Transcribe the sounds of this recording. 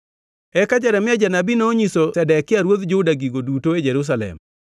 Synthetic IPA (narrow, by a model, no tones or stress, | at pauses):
ɛkad͡ʒaɾɛmɪad͡ʒanabinoːɲisosɛdɛkːɪaɾwot̪d͡ʒʊdaɡiɡodutoed͡ʒɛɾus̬alɛ̰m